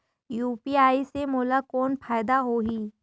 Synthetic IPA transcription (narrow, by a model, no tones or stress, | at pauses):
juːpiaːisemoːlakɔːnpʰaːjd̪aɦoɦiː